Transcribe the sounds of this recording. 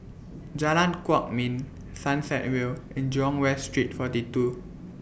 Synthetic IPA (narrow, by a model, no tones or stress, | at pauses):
d͡ʒalãnkwɔk̚mĩn | sãnsɛt̚wilɛ̃nd͡ʒɔ̃ŋwɛstɹit̚fɔtitu